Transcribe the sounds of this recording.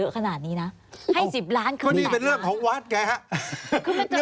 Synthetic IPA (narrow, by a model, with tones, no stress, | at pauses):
ɤ˦˥kʰa˧naː˨˩t̪̚niː˦˥na˦˥ | ha˥˩jsi˨˩p̚ɾaː˦˥nkʰɯ˥˦˥niː˦˥pe˧nɾɯ˥˩əŋkʰɔː˩˦ŋwaː˦˥t̪̚kɛː˧ha˦˥kʰɯː˧˩ma˥˩˥